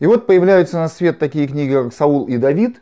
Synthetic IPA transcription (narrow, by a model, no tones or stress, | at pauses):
ɪvo̞t̪̚pəjɪvlʲæjʊt̪sənɐsvʲe̞t̪ːɐkʲijəknʲiɡʲɪkaksɐulˠid̪ɐvʲit̪